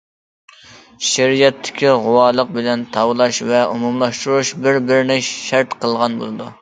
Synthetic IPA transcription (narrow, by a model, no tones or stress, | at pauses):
ʃeɾijɛt̪ʰːɪ̥kʲʰiʁʊwɑːlˠəq̚bɪlɛnt̪ʰɑwlˠɑʃvɛumumlˠɑʃt̪uɾuʃbɪɾbɪɾɪnɪʃæɾt̪qʰəlˠʁɑnbo̰lˠɨd̪u